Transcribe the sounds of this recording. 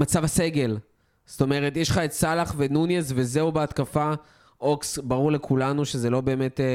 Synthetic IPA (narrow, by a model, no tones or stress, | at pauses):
mat͡savaseɡe̞l | sto̞meʁetjeʃχaetsalaχvenunjesvezeubeatkafa | oksbaʁuʁle̞kʰulanuʃe̞zelo̞be̞ːmet